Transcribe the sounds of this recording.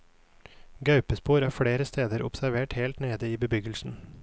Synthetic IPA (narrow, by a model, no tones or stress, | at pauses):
ɡɑʉpəspuːɾæːfɽeːɾəst̪ʰeːd̪əɾʊ̰psæɾʋeːʈheːlt̪neːd̪əiːbəbʏɡəlsn̩